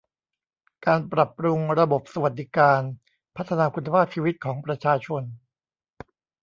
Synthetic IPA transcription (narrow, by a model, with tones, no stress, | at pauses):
kaː˧npɾa˨˩pːɾu˧ŋɾa˧bo˨˩p̚sa˧wa˨˩t̪̚d̪i˦kaː˧n | pʰa˦˥t̪ʰːa˧naː˧kʰu˧nːa˧pʰaː˥˩p̚t͡ɕʰiː˧wi˦˥t̪̚kʰɔː˩˦ŋpɾa˧t͡ɕʰaː˧t͡ɕʰo˧n